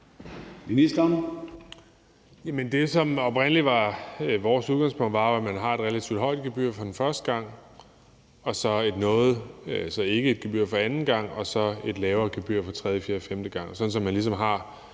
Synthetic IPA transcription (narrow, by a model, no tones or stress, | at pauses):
minisd̥ɐn | jæmənd̥e̝sɒ̽mɒ̽b̥ʁen̰əliʋɑ̈ʋɒːsuðˠɡɑ̈ŋspʰɔ̽ŋ̰d̥ʋɑ̈joæmænɦɑ̈e̝d̥ʁelæt͡sʰiʊd̥ɦɒ̽ɪ̰d̥̚ɡ̥eb̥y̰ɐ̰fɒ̽d̥enfɶɐsd̥əɡ̥ɑ̈ŋ̰ | ɒ̽sɒ̽e̝d̥nɔ̽ːð̩ˠsɒ̽e̝ɡ̥əe̝d̥̚ɡ̥eb̥yɐ̰fɒ̽ænn̩ɡ̥ɑ̈ŋ̰ɒ̽sɒ̽e̝d̥lɛːʊɐːɡ̥eb̥y̰ɐ̰fɒ̽t͡sʰʁɛð̞ˠjəfiːɐfemd̥əɡ̥ɑ̈ŋ̰sɒ̽d̥n̩sɒ̽mːænlisɒ̽mɦɑ̈